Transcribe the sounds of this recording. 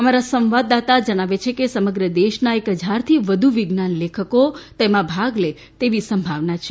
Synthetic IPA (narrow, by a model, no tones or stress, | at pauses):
əmaɾasə̃mʋad̪ːat̪ad͡ʒəɽ̃aʋet͡ʃʰekesəməɡɾəd̪eʃnaekɦəd͡ʒʱaɾt̪ʰiʋəd̪ʱuʋiɡnanlekʰəkot̪emãbʱaɡle | t̪eʋisəmbʱaʋnat͡ʃʰe